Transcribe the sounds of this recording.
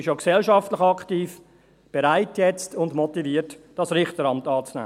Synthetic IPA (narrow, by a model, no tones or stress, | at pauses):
ɪʃjoksɛlʃɑftləχɑktiːf | b̥eɾaɪtjɛt͡stʰʊndmɔtiviːətd̥ɑsɾɪχtəɾɑmtɑːt͡snæ̰ː